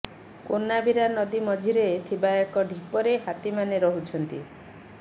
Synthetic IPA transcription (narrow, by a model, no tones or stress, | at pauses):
konabʱiɾanɔd̪imɔd͡ʒʱiɾet̪ʰibajɔkɔɖʱipɔɾeɦat̪imaneɾɔɦut͡ʃʰɔnt̪i